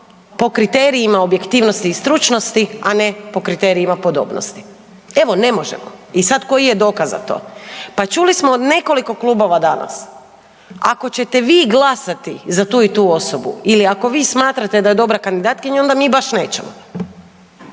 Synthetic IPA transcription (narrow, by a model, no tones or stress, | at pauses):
po̞kɾit̪eɾiimaobje̞kt̪iːʋnost̪iːst̪ɾut͡ʃno̞st̪iane̞po̞kɾit̪e̞ːɾiimapo̞d̪o̰ːbno̰st̪i̥ | e̞ʋo̞ne̞mo̞ʒḛmo̰isad̪ko̞jije̞d̪o̞ːkaza̰t̪o̰ːpat͡ʃulismod̪ne̞ko̞liko̞klubo̞ʋad̪ana̰s | ako̞t͡ɕe̞t̪e̞ʋiːɡlˠasat̪izat̪uːit̪uːoso̞bṵiliako̞ʋiːsmaːt̪ɾat̪ed̪aje̞d̪o̞bɾakand̪id̪aːt̪kiɲao̞nd̪amiːbaʃne̞ːt͡ɕemo̰